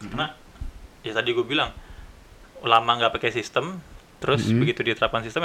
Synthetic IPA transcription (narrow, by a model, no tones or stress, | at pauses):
karna | jat̪adiɡuabilaŋ | lamaŋɡaʔpakasist̪əmt̪əɾʊsbəɡit̪udit̪əɾap̚kansist̪ə